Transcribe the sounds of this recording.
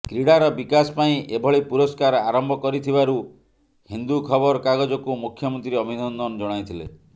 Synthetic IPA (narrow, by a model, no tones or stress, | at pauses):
kɾiɽaɾɔbikasɔ̥paĩʔebʱɔɭipuɾɔskaɾɔaɾɔmbʱɔkɔɾit̪ʰibaɾu | hind̪ukʰɔbɔɾɔkaɡɔd͡ʒɔkumukʰjɔmɔnt̪ɾiɔbid̪ɔnd̪ɔnɔd͡ʒɔɽ̃ajt̪ʰilḛ